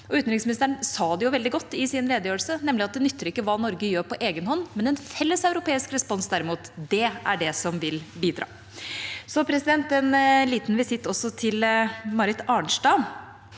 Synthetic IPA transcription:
ɔʉːt̪nɾɪŋsmɪnɪst̪ɾəɳsɑːd̪ɛjʊʋɛld̪ɪɡɔt̪ːɪsɪnleːd̪əjøːɾəlsənɛmːlɪɑt̪̚d̪ɛnʏt̪ʰːəɾɪkːəʋɑːnɔɾɡəjøːɾpʰɔʔeːɡənhɔnːmɛnɛnfɛlːəsɑʉɾʊpeːɪskɾɛspɔnsd̪æɾɪmuːt̪d̪ɛæɖɛsɔmʋɪlbiːd̪ɾɑ̰ː | sɔpʰɾɛsɪd̪ɛnt̪ɛnliːt̪nʋɪsɪt̪ːɔsːɔt̪ʰɪlmɑɾɪt̪ɑːɳʂʈɑːn

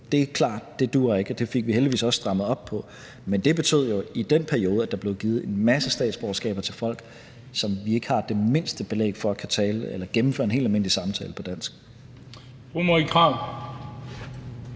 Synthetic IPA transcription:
d̥e̝kʰlɑ̰̈ːd̥d̥e̝d̥uːɐe̝ɡ̥d̥e̝fe̝ɡ̥̚ʋiheldiʋḭːsɒ̽sːd̥ʁɑ̈mð̩ˠɒ̽b̥̚ʰɒ̽ | mend̥e̝b̥e̝t͡sʰøð̞̰ˠjo̝id̥en̰pʰæɐio̝ːð̩ˠæd̥ɑ̈b̥le̝ʊɡ̥iːð̞̩ˠe̝nmæsəsd̥ɛ̰ːd̥sb̥oːsɡ̥ɛ̰ːb̥ɐt͡sʰe̝lfɒ̽l̰ɡ̥ | sɒ̽mʋie̝ɡ̥əhɑ̈d̥e̝me̝n̰sd̥əb̥e̝lḛːɡ̥fɒ̽ækʰæt͡sʰɛːləelɐɡ̥em̩fø̰ɐenɦe̝̰ːl̥dælme̝n̰lisɑ̈mt͡sʰɛ̰ːləpʰɒ̽d̥æn̰sɡ̥ | fomoikʰʁɑ

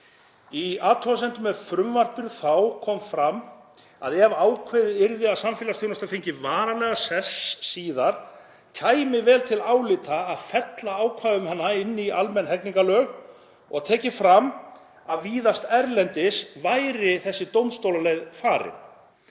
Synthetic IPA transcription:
iaːt̪ʰɔasɛnt̪ʏmɛðfɾʏmvar̥pʏɾθawkʰɔmfɾam | a̰ðɛvaːwkʰvejðɪɪɾðɪaðsamfɪlast̪jownast̪afejɲcɪvaːɾalɛːɣasɛsːiːðaɾ̥ | cʰaːjmɪvɛːlt̪ʰɪlawlɪːt̪aːðfɛt̪laaːwkʰvaːðʏmhɛnːaɪnːialmɛnːɦɛkniŋkalœːɣ | ɔ̰ɣt̪ʰɛːcɪfɾam | aðviːðast̪ɛɾlɛnt̪ɪsvajɾɪθɛsːɪt̪ownst̪owlalejðfaːɾɪ̰n

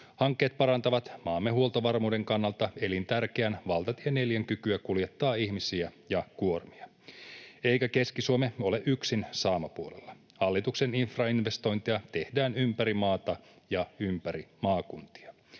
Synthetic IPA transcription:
hɑŋkːe̞ːt̪̚pɑɾɑnt̪ɑʋɑt̪mɑːmːeɦuolt̪oʋɑrmuːde̞ŋkɑnːɑlt̪ɑe̞lint̪ærkeænʋɑlt̪ɑt̪iene̞ljæŋkykyækuljet̪ːɑːihmisiæjɑkuo̞rmiɑ | e̞jkæke̞skisuomeo̞leʔyksinsɑːmɑpuolḛlːɑ | hɑlːit̪ukse̞ninfrɑinʋe̞st̪o̞jnt̪iɑt̪e̞hdæːnympæɾimɑːt̪ɑ | jɑympæɾimɑːkunt̪i̥ɑ

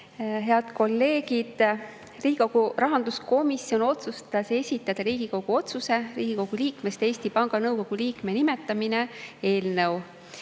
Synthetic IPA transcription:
ɦe̞ɑd̪̥ko̞lːe̞ːɡ̥id̪̥ | riːɡi̥o̞ɡ̥urɑɦɑnd̪̥usko̞misjo̞no̞t̪sust̪t̪ɑse̞sʲit̪ːˑɑd̪̥ɑɾiːɡ̥iko̞ɡ̥uo̞t̪suse̞riːɡ̥iko̞ɡ̥uliːkme̞st̪e̞ːsʲt̪ipɑŋɡ̥ɑnɤwko̞ɡ̥uliːkme̞nimet̪ːˑɑmine̞e̞ːlnew

